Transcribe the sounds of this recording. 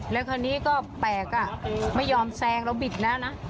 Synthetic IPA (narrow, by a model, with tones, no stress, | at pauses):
lɛː˦˥kʰaː˧nːiː˦˥kɔː˥˩pɛː˨˩k̚a˧˩ma˥˩jːɔː˧msɛː˧ŋɾɛ˦˥˩wbi˨˩t̪̚na˦˥na˦˥